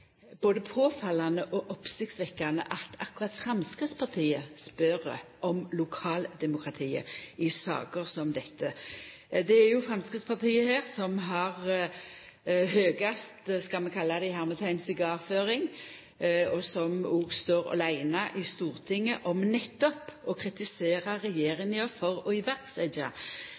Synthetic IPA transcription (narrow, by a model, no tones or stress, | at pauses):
b̥oːd̪əpʰoːfɑlɑnəʔɔʔɔpsɪk̚t̪sʋɛkːɑnə̰ʔɑt̪ʰɑkʉʁɑt̪fɾɑmskɪt̪spʰɑʁt̪ʰiːəspœɾʔɔmlʊkʰɑːld̪ɛmʊkʁɑt̪ʰiːə̰ɪsɑ̰ːkəʁsɔmd̪ɛt̪ʰːə | d̪ɛæɾjʊfʁɑmskʁɪt̪spɑʁt̪ʰiːəheːʁsɔmɦɑʁ | høːɡɑst̪skɑlmɛkʰɑlːɑd̪æɪhæːʁmt̪ʰæɪnsɪɡɑːʋføːɾɪŋ | ɔsɔmuːɡst̪oːɾɔ̰læɪnɑʔɪst̪uːʁt̪ʰɪŋːəʔɔmnɛt̪ːɔpɔkʰʁɪt̪ɪseːʁɑɾɛjeːʁɪŋəəfɔʁɔɪʋæɾt̪sæɪd̪ɑ